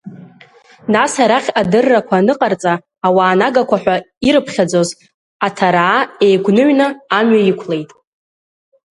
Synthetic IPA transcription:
nasaɾaχʲadɨrːakʷʰanɨqʼart͡sʼaː | waːnaɡakʷʰaħʷᶣa | iɾɨpʰχʲad͡zo̞z | atʰaɾaːejɡʷnɨɥnɨːmɥaikʷʰle̞jtʼ

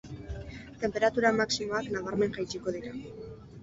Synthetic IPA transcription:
t̪e̞mpe̞ɾat̪uɾamaksimo̞aknaβ̞aɾme̞ŋʝajt͡ʃiko̞ðiɾa

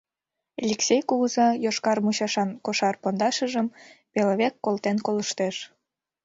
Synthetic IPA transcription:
elʲeksʲejkuɣuzɑjoʃkɑrmuɕɑʃɑnkoʃɑrpond̪ɑʃəʒəmpeloβekːolt̪enkoləʃt̪eʃ

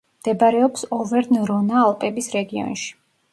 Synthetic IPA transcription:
md̪̥ɛbaɾɛɔpsɔvɛɾnɾɔnaːlˠpʼɛbisɾɛɡiɔ̰nʃi̥

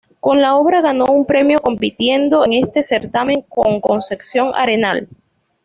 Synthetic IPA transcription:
ko̞nlao̞βɾaɣano̞umpɾe̞mjo̞ko̞mpit̪je̞nd̪o̞eŋe̞st̪e̞se̞ɾt̪ame̞ŋkoŋko̞nse̞ksjo̞ŋa̰ɾe̞na̰l

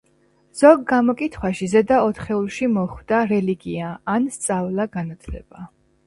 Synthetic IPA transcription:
z̥ɔɡɡamɔkʼit̪ʰχwaʃizɛd̪aɔt̪χɛulˠʃimɔχwd̪̥aɾɛliɡiaːnst̪sʼavlˠaɡanat̪ʰlɛb̥a

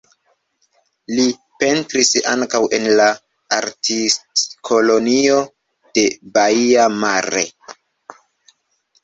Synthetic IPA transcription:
li | pe̞ntɾisa̰ŋkawʔe̞nla | aɾtistkʰo̞lo̞nio̞ | d̥e̞baiamaɾḛ

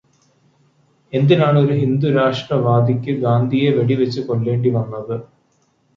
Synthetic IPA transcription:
e̞nd̪inaːɳo̞ɾuɦind̪uɾaːʂʈrɐʋaːd̪ʱikʲːɨɡaːnd̪ʱije̞ʋe̞ɽiʋet͡ɕːɨko̞ɭːe̞ːɳɖiʋɐnːɐðɨ

